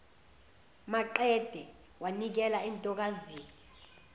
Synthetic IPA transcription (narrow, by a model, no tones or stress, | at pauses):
maǃɛd̥ʱɛ | wanik̬ɛlaɛntʼɔk̬aziːni